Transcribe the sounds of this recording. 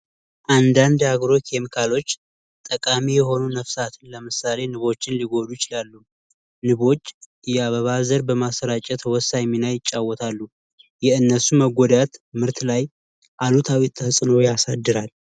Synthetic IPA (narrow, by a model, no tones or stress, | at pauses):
ʔand̪and̪aɡɾo̞kʰemikʰalo̞t͡ʃː | t̪ʼəkʼamijɛɦo̞nunəfsat̪ʰɨnləmɨsale̞nɨβo̞t͡ʃːɪnliɡo̞d̪ujɪt͡ʃɪlalːu | nɨβo̞t͡ʃː | ɨjɛaβəβazəɾbəmasəɾat͡ʃʼɛt̪wɔsajminajɪt͡ʃʼːawːɔt̪ʰalːu | jɛɨnːəsuməɡʷɔd̪at̪mɨɾt̪laj | ʔalut̪ʰawit̪ʰːəhɨsʼnojasad̪ːɨɾal